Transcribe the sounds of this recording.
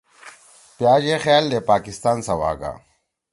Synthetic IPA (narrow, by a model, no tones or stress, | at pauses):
pjaːɡexjaːld̪eːpaːkist̪aːnsɐwa̰ːɡa̰ː